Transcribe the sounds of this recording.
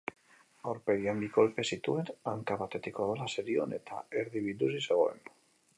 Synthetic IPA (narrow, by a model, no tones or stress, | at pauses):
oɾpeðiamiko̞lpe̞sit̪uenaŋkapat̪et̪ikoðolaseɾio̰nḛt̪a̰eɾðiβilusiseɣoḛn